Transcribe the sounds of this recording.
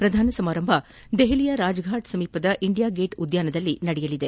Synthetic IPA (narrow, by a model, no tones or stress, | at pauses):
pɾɐd̪ʱaːnɐsɐmaːɾɐmbʱɐ | d̪eɦilijɐɾaːd͡ʒɡʱaːʈsɐmiːpɐd̪ɐʔiɳɖijaːɡeːʈud̪jaːnɐd̪ɐlːinɐɽɛjɐlid̪e